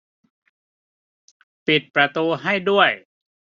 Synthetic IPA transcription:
pi˨˩t̪̚pɾa˧t̪uː˧ɦa˥˩jdu˥˩əj

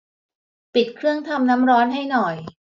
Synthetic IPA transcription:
pi˨˩t̪̚kʰɾɯ˥˩əŋt̪ʰa˧mna˦˥mɾɔː˦˥nɦa˥˩jnɔ˨˩j

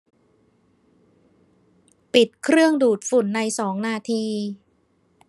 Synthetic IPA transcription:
pi˨˩t̪̚kʰɾɯ˥˩əŋduː˨˩t̪̚fu˨˩nːa˧jsɔː˩˦ŋnaː˧t̪ʰiː˧

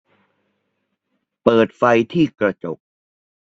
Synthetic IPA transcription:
pɤː˨˩t̪̚fa˧jt̪ʰiː˥˩kɾa˧t͡ɕo˨˩k̚

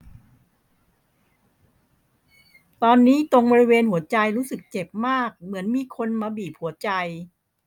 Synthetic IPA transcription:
t̪ɔː˧nːiː˦˥t̪o˧ŋbɔː˧ɾi˦˥weː˧nhu˩˦ɐt͡ɕa˧jɾuː˦˥sɯ˨˩k̚t͡ɕe˨˩p̚maː˥˩k̚mɯ˩˦ənmiː˧kʰo˧nmaː˧biː˨˩p̚hu˩˦ɐt͡ɕa˧j

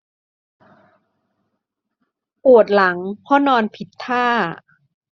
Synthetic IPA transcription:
pu˨˩ət̪̚la˩˦ŋpʰɔ˦˥nɔː˧npʰi˨˩t̪ʰːaː˥˩

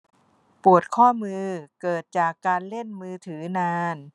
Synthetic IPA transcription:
pu˨˩ət̪̚kʰɔː˥˩mɯː˧kɤː˨˩t̪̚t͡ɕaː˨˩kːaː˧nle˥˩nmɯː˧t̪ʰɯː˩˦naː˧n

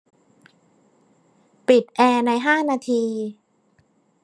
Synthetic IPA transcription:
pi˨˩t̪̚ʔɛː˧na˧jɦaː˥˩naː˧t̪ʰiː˧

